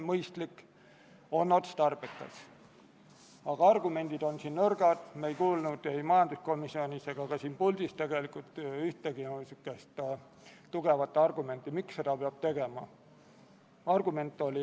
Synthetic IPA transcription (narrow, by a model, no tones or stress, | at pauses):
mɤjst̪likː | o̞nːo̞t̪st̪ɑrb̥et̪ːˑɑ̰s | ɑɡ̥ɑɑrɡ̥ume̞nʲd̪̥id̪̥o̞nsiːnnɤrɡ̥ɑd̪̥meejkuːlnud̪̥ejmɑjɑnd̪usko̞misio̞nʲise̞ɡ̥ɑkɑsiːnpuld̪̥ist̪e̞ɡ̥e̞likˑult̪ˑyht̪eɡ̥inosykːˑest̪ | t̪ːuɡ̥e̞vɑt̪ːˑɑrɡ̥ume̞nt̪ˑːimiksse̞d̪̥ɑpeɑb̥̚t̪e̞ɡ̥e̞mɑ | ɑrɡ̥ume̞nt̪ːˑo̞li